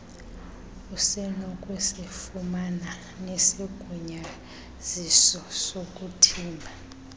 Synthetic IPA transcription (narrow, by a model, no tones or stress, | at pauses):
usɛnɔkʼwɛsefumana | nesiɡ̥ʱuɲa | z̥isɔsokʼutʰiːmbʱa